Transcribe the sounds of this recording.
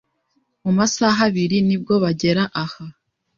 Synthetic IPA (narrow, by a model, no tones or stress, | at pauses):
mumasaɦaβiɾinib̚ɡo̞βaɟe̞ɾaʔaha